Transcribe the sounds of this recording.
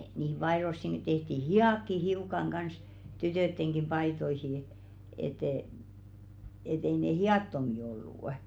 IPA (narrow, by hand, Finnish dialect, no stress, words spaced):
niˑhim̆ pɑe̝rosːiŋki tehti hiɑˑkːi hiukɑŋ ɡ̊ɑns tytøˑtːeŋɡ̊i pɑitoihi et e et ei ne hiɑˑtːomi olːuˑʔ